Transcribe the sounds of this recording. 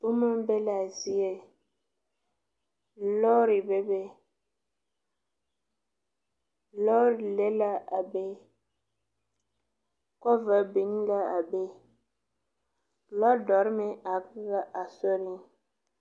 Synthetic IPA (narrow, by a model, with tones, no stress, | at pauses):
bo˦ma˦be˦la˨zi˦e˦ | lɔ˦ɾi˨be˦be˦ | lɔ˦ɾle˦la˦ʔa˨be˦ | kɔ˦və˨bi˨n˦la˦a˨be˦ | lɔ˦dɔ˨˦ɾme˨a˨kɣa˦ʔa˨so˦ɾi˦